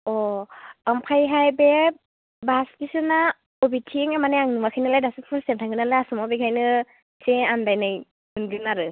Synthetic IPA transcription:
ɔɔmpʰajɦajbe | baskisɯna | ɔbitʰiŋemanejaŋnɯmakʰɯjnɯlajdasɯpʰɯnsemtʰaŋɡɯnalaasɔmɔbiɡʰajnɯ | seandajnɯj | ɯnɡɯnaɾɯ

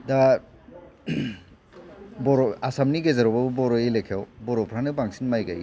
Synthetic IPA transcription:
da | bɔɾɔasamniɡezaɾɔbabbɔɾɔelekʰawbɔɾɔpʰɾanɯbaŋsinmajɡa̰j

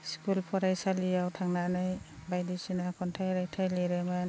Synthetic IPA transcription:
skulpʰɔɾajsalijawtʰaŋnanɯjbajdisinakʰɔntʰajɾajtʰajleɾeman

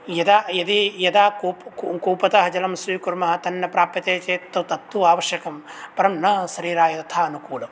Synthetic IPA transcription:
jɐd̪aːjɐd̪ijɐd̪aːkuːpkuːpɐt̪ɐɦɐd͡ʒɐlɐmsʋiːkuɾmɐɦɐ̆t̪ɐnːɐpɾaːpɐt̪eːt͡ʃeːt̪ːɐt̪ɐt̪ːʋuaːʋɐʃjɐkɐmpɐɾɐmnɐsɐɾiːɾaːjɐt̪ɐt̪ʰaːɐnukuːlɐm

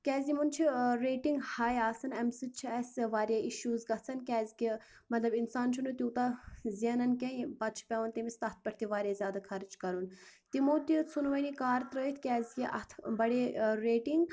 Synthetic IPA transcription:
kʲɛːzʲimunt͡ʃʰiɾeːʈiŋɡhaːjaːsɐnɐmsɨt͡ʃʰiɛsʋaːɾjaʔiʃuːzɡɐt͡sʰɐnkʲɛːzʲkʲi | mɐt̪lɐbinsaːnt͡ʃʰunut̪ʲuːt̪azijɐnɐnkʲẽpɐt̪t͡ʃʰi̥pʲɐːʋɐnt̪imist̪ɐt̪̚ʰpɐɾt̪iʋaːɾʲjazʲjaːd̪akʰɐɾid͡ʒkɐɾunt̪imoːt̪it͡sʰunʋɐnikaːɾt̪ɾəːit̪ʰkʲɛːzʲkiʔɐt̪ʰbɐɽeːɾeːʈiŋɡ

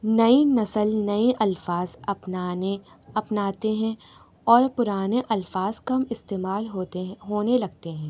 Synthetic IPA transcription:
nɐinɐsəlnɐiʔɐlfaːzɐpnane | ɐpnaːt̪eɦɛ̃ | ɔːɾpʊɾaːneʔɐlfaːzkɐmɪst̪eːmaːlɦot̪ɦoːnelɐɡ̚t̪eɦɛ̃ː

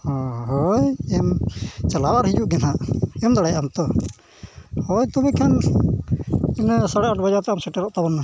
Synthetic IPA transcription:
hɔ̃ɦɔjɛmt͡ʃalawaɾhid͡ʒuʔɡɛnaʔɔmd̪ɔɽɛjaʔamt̪ɔ | hɔjt̪umikʰan | ɛnsaɽɛʔaʈbad͡ʒat̪ɛamsɛʈɛɾɔʔt̪abɔnːa

